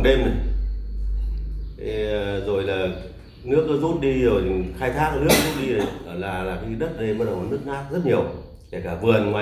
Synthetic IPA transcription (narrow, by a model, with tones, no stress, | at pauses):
ɗe˧mi˨˩˨ | zo˨˩jlaː˨˩ | nɨ˦˥ək̚nɔ˨˦zu˦˥t̚ɗi˧zo˨˩jt̪ʰi˨˩xaː˧jt̪ʰaː˦˥k̚nɨ˦˥ək̚zu˦˥t̚ɗi˧ɗə˨˦ʔəː˨˩laː˨˩laː˨˩xi˧ɗə˦˥t̚ɗe˧mːəː˧˦ɗə˨˩wnɨ˦˥ək̚naː˦˥k̚zə˦˥t̚ɲi˨˩əw | kɛ˧˩kaː˧˩vɨ˨˩ənŋwaː˨